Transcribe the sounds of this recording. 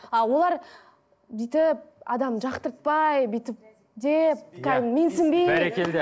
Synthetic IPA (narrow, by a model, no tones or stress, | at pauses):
ɑwo̞lˠɑɾ | bijt̪ɪp̚ɑd̪ɑmʒɑqt̪əɾt̪̚pɑjbijt̪ɪp̚ | d̪ep̚kʲʰæmensɪmbejæɾekʰʲeld̪e